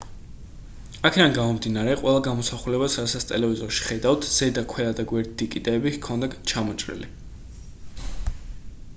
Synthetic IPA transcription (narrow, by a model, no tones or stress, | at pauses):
akʰɛd̪anɡamɔmd̪inaɾɛqʼwɛlˠaɡamɔsaχulɛbasɾad̪sat̪sʰt̪ʼɛlɛvizɔɾʃi̥χɛd̪awt̪ʰz̥ɛd̪akʰwɛad̪aɡwɛɾd̪d̪ikʼid̪ʼɛːbikʰɔnd̪aɡt͡ʃʰamɔt͡ʃʼɾḭli